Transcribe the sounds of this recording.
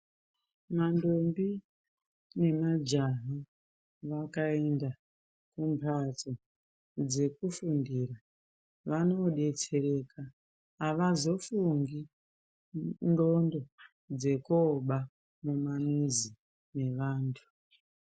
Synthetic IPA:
mandombi | ne̞mad͡ʒaɦo | ʋakaenda | kumpʰato | d͡ze̞kufundiːra | ʋano̞ɗe̞t͡se̞re̞kaː | ʋazo̞fuŋɡi | ndondo̞ | d͡ze̞koɓa | mumamizi | ne̞ʋaːntʰu̥

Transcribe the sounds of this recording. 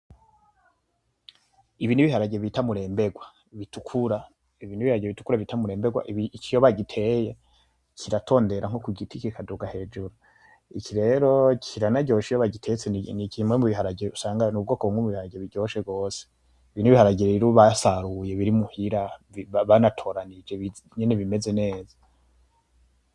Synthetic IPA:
iβiniβihaɾaɟe̞βitamuɾe̞ːmbe̞ɡwa | βitukʰuɾa | iβiniβihaɾaɟeβitu̥kuɾaβitamuɾe̞ːmbeɡwa̰ʔikijoβaɟitʰe̞ːje | kʰiɾatʰo̞ːnde̞ɾʔaŋho̞kuɡitikikʰaduɡahe̞ːd͡ʒuɾu | ikʰiɾe̞ɾo̞kʰiɾanaɟo̞ːʃijoβaɟitʰejt͡senikimwemuβiɦaɾaɟiusaːŋɡanub̚ɡo̞ːkoβumŋwemuβihaɾaɟeβiɟo̞ʃeɡo̞ːse̥ | iβiːnuiβihaɾaɟiɾeβiɾuβasaɾuje̞βiɾimuhiɾaiβaβanatʰo̞ːɾanid͡ʒe̞βi | ɲeneβime̞ze̞ne̞ːza

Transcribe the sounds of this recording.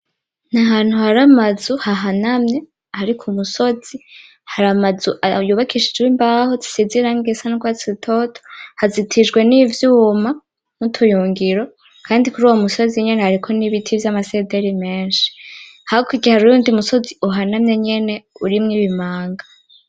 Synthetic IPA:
naɦaːn̥huhaɾamazuhaɦanamɲe̞ | haɾikʰumuso̞zi | haɾamazuʔajuβakʰiʃid͡ʒɡwimbahozi̥siziɾaŋɡesanukwaziitʰotʰo̥hazitʰiʒɡwe̞nivjuːma | mutʰujuːŋɡiɾo̞ | kʰaːndikuɾuːwomuso̞ziɲe̞ne̞haɾikʰo̞niβitʰivjamase̞deɾime̞ːnʃi̥haokuɡihaɾujuːndiumuso̞ziuɦanamɲe̞ɲe̞ne̞uɾimŋiːβimaːŋɡa

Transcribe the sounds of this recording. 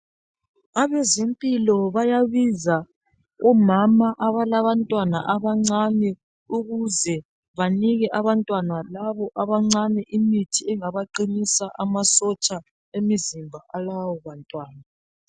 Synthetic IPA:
aβɛzempʼilɔβajaβiza | ɔmamaʔaβalaβantʼwanaʔaβaŋ͡ǀanɛ | uɣuzɛ | βaniɣɛʔaβantʼwanalaβɔʔaβaŋ͡ǀanɛʔimitʰiɛŋaβaǃinisaʔamasɔt͡ʃʼa | emizimbʱaʔalawɔβantʼwaːna

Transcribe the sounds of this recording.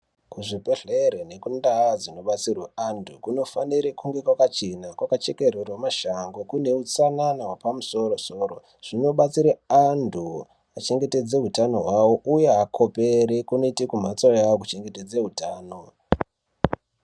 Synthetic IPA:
kuʐipeɮeɾene̞kundaːzino̞ɓat͡sirweandʰukuno̞faniɾekuŋɡe̞kwakat͡ʃenakwakat͡ʃe̞ke̞rerwemaʃaŋɡokune̞ut͡sananawapamuso̞ɾoso̞ːro | ʐ̥ino̞ɓat͡siɾeandʱu | at͡ʃe̞ŋɡe̞te̞d͡zeɦutano̞̰ɦwawoʔujeakʰo̞peɾekuno̞itekum̤at͡sojaok̬ut͡ʃe̞ŋɡe̞te̞d͡zeɦutaːno̞

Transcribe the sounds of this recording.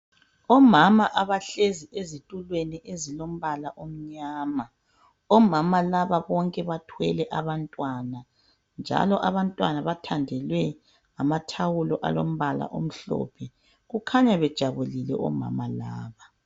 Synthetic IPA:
ɔmamaʔaβaɬeziʔezitʼulweniʔezilom̩βalaʔom̩ɲaːma | ɔmamalaβaβɔŋkʼɛβatʰwɛlɛʔaβantʼwana | nd͡ʒʱa̰lɔʔaβantʼwanaβatʰandʱɛlwɛ | ŋamatʰawulɔʔa̰lom̩βala̰ʔo̰m̩ɬɔ̰ːpʰɛ | ɣukʰaɲaβɛd̥ʒ̥ʱaβulilɛ̰ʔɔ̰ma̰malaːβa

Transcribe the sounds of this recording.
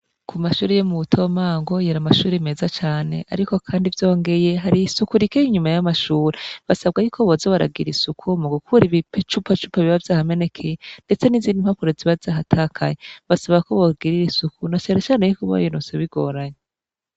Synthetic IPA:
kʰumaʃuːɾejemuβutʰo̞maːŋɡojeɾamaʃuːɾeime̞ːzat͡ʃaːne̞̰ʔa̰ɾiko̞kʰaːndivjo̞ːŋɡe̞je̞ɦaɾiːsukuɾikeiɲumajamaʃuːɾeβasaβɡajukʰoβozeβaɾa̰ɡiɾisukʰumoɡukuɾiβipet͡ʃupʰat͡ʃupaβiβavjaːhame̞ne̞kʰejende̞t͡se̞niziːndim̥hapuɾeziβavzaːɦatʰaːkʰa̰jeβasaβɡakoβoɡiɾiɾisukunat͡ʃaɾet͡ʃaːnejukoβo̰jenoseβiɡo̞ɾaɲe

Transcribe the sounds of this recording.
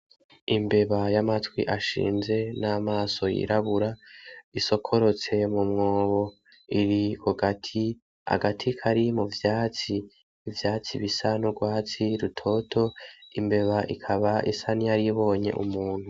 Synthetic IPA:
imbe̞βajamatwḭʔaʃḭːnze̞namaːso̞jḭɾaβuɾaiso̞kʰo̞ɾo̞t͡se̞mumŋo̞ːβo̞ | iɾikuɡatʰi | a̰ɡatʰikʰaɾimuvjaːt͡si | vjaːt͡sḭβisanuɡwaːt͡siɾutʰo̞tʰo̞imbe̞βaʔḭkʰaβaʔḭsanijaɾiβo̞ːɲe̞̰ʔṵmuːn̥hu

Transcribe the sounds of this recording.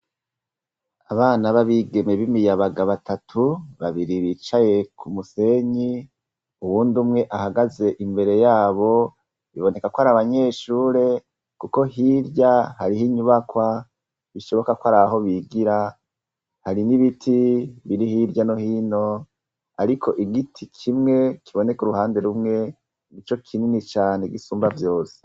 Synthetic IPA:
aβaːnaβaβiɡe̞me̞βimijaβaɡaβatʰatʰuβaβiɾiβit͡ʃaje̞kʰumuse̞ɲi | uβuːndumŋe̞ʔahaɡaze̞ʔimbe̞ɾe̞jaːβo̞ | iβone̞kakwaɾaβaɲe̞ːʃuːɾe̞ | kuko̞hiɾɟahaɾiɦiɲuβakwa | βiʃo̞βo̞kakwaɾaaɦo̞βiɡiɾa | haɾiniβitʰiβiɾihiɾjano̞hino̞ | aɾikʰo̞̰ʔiɡitʰikʰimŋe̞kʰiβo̞ne̞kuɾuhaːnde̞ɾumŋe̞ | nit͡ʃo̞kʰininit͡ʃaːne̞ɡisuːmbavjo̞ːse̥

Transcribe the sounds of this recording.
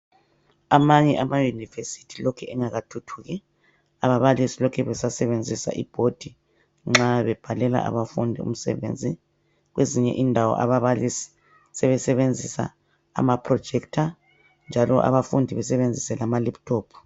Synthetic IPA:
amaɲɛʔamajunivesi̥tʰilokʰɛʔɛŋaɣatʰutʰuːɣɛ | aβaβalisilɔkʰɛβɛsasɛβend͡zʱisa̰ʔib̥ʱod̥ʱi | ŋ͡ǁaβɛb̥ʱalɛla̰ʔa̰βafundʱiṵm̩sɛ̰βḛnd͡zʱi | ɣweziɲɛ̰ʔindʱawɔ̰ʔaβaβalisi̥ | sɛβɛsɛβend͡zʱisa̰ː | mapʰrɔd̥d͡ʒ̥ʱɛktʰa | nd͡ʒʱalɔ̰ʔa̰βafundʱiβɛsɛβend͡zʱisɛlamaliptʰɔːpʰu̥

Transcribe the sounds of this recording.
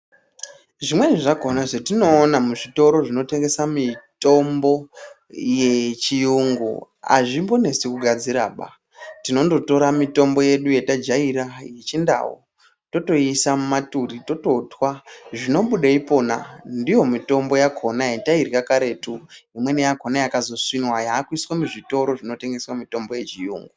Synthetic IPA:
ʐimwe̞ʐiʐako̞naʐetino̞ːnamuʐito̞ɾo̞ʐino̞te̞ŋɡe̞samito̞mbo̞ | jet͡ʃijuŋɡṵ | a̰ʐimbo̞ne̞sekuɡʱad͡ziɾa̰ːɓa̰ | tino̞ndo̞to̞ɾamito̞mbo̞je̞ɗuje̞tad͡ʒaiɾajet͡ʃinda̰wo̰ | to̞to̞isamumaturito̞to̞twaʐino̞ɓuɗaipo̞na̰ndijo̞mito̞mbo̞jakʰo̞naetairjakaɾe̞tuimwe̞nejakonajakazo̞swinwajaːkuiswamuʐito̞ɾo̞ʐino̞te̞ŋɡe̞swamito̞mbo̞je̞t͡ʃijṵːŋɡu

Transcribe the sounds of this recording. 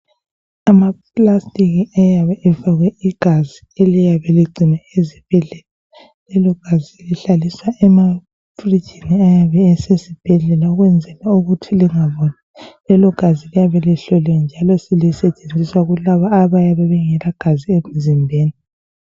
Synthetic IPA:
amaplastʼiɣiajaβɛʔɛvaɣwɛiɡ̥ʱazi | elijaβɛliɡ͡ǀʱinaezib̥ʱɛɮɛla | lɛlɔɡ̥ʱaziliɬaliswaʔɛma | fri̥d͡ʒʱiniajaβɛːsesib̥ʱɛɮɛlauɣwɛnd͡zʱɛlauɣutʰiliŋaβɔnalɛlɔɡ̥ʱazilijaβɛliɬɔlɛand͡ʒʱalɔsilisɛt͡ʃʼend͡zʱiswaɣulaβaːβajaβɛβɛŋɛlaɡ̥ʱaziem̩zimbʱeːni

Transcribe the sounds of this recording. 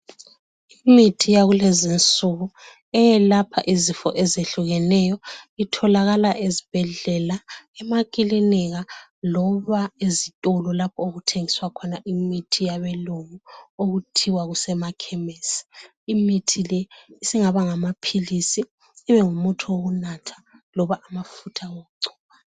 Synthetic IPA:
imitʰijaɣulɛzint͡sʼuɣu | ɛjɛlapʰa̰ʔizifɔ̰ʔɛzeɬuɣɛnɛjɔitʰɔlaɣalaʔezib̥ʱɛɮɛlaɛmakʼilinɛɣalɔβaezitʼɔlɔlapʰɔoɣutʰeŋiswakʰɔnaʔimitʰijaβɛloŋuoɣutʰiwaɣusɛmakʰɛmɛsi̥ | imitʰilɛisiŋaβaŋamapʰilisiː | βɛŋumutʰuwoɣunatʰḁ | lɔβaʔamafutʰawoɣuǀu̥ːβa

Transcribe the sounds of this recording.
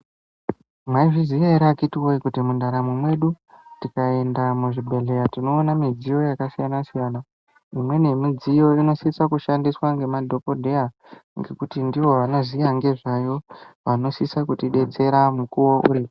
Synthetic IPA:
maiʐizijaiɾakitiwoikutimundaɾamwemwe̞ɗu | tikae̞ndamuʐibʱe̞ɮe̞jatino̞ːnamid͡zijo̞jakasijanasijaːna | imwe̞ne̞mid͡zijo̞ino̞sisakuʃandiswaŋɡe̞madʱo̞podʱe̞ja | ŋɡe̞kutindiʋo̞ʋanozijaŋɡe̞ʐajo̞ʋano̞sisakutiɗe̞t͡se̞ɾamukuwoʔṵɾiːo

